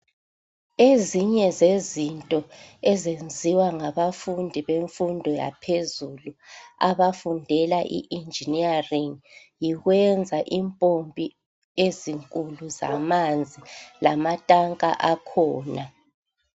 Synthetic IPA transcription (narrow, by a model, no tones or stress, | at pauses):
eziɲɛzezintʼɔɛzend͡zʱiwaŋaβafundʱiβeɱfundʱɔja̰pʰezuluaβafundʱɛlaʔḭʔind͡ʒʱiniariŋ | jiɣwɛnd͡zʱaʔimpʼompʼi | eziŋkʼuluza̰mand͡zʱila̰matʼaŋkʼa̰ʔakʰɔːna